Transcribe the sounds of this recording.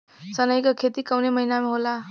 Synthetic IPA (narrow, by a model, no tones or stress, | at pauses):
sʌnʌjkokʰet̪ikawnemʌɦinamaɦola